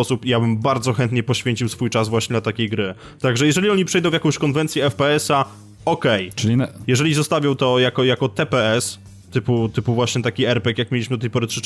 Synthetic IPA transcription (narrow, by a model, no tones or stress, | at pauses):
ɔsupijabɘmbaɾd̪zɔxɛnt̪ɲɛpɔɕfʲeɲt͡ɕiwsfujt͡ʂazvwaɕɲɛd̪lat̪akʲejɡɾɘ | t̪aɡʐɛjɛʐɛlʲiɔɲipʂɛjd̪ɔ̃w̃vjakɔ̃w̃ɕkɔnvɛnt̪sʲjɛɛfpɛɛsa | ɔkɛjʈ͡ʂlʲijɛʐɛlʲizɔst̪avʲjɔ̃w̃t̪ɔjakɔjakɔt̪ɛpɛɛs | t̪ɘput̪ɘpuvwaɕɲɛt̪akʲiɛɾpɛkjakmjelʲiɕmɘd̪ɔt̪ɛjpɔɾɘtʂɘ